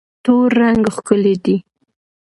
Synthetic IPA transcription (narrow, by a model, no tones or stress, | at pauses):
t̪oɾːaŋɡxkəled̪i